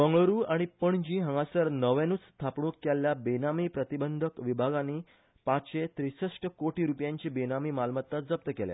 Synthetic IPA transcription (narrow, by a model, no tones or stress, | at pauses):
bəŋɡɭəɾuːaɽ̃ipəɳd͡ʑiːɦə̃ŋɡasəɾnəʋenuːt͡st̪ʰapɳuːkːjaljabenamiːpɾət̪ibənd̪ʱəkʋibʱaɡãnːiː | pãɕet̪ɾisəsʈəkoʈiːɾupjãɲt͡ɕibenamiːmalmət̪ːad͡zəp̚t̪əkelj̰